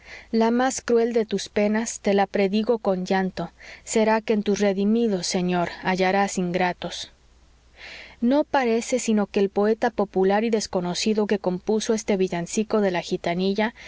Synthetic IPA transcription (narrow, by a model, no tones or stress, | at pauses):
lamaskɾwe̞ld̪e̞t̪uspe̞nast̪e̞lapɾe̞ðiɣo̞ko̞nd͡ʒant̪o̞se̞ɾake̞ːnt̪usre̞ðimiðo̞se̞ɲo̞ɾaʝaɾasiŋɡɾat̪o̞s | no̞paɾe̞se̞sino̞ke̞ːlpo̞e̞t̪apo̞pulaɾiðe̞sko̞no̞siðo̞ke̞ko̞mpuso̞e̞st̪e̞βiʝansiko̞ðe̞laxit̪aniʝa